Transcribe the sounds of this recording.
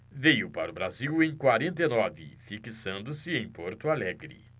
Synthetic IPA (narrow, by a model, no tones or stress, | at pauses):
vejʊpaɾʊbɾaziwẽj̃kwaɾẽnt̪̬ejnɔvɪ̰fikisɐ̃nd̪ʊsɪẽj̃poɾt̪ʊalɛɡɾɪ̰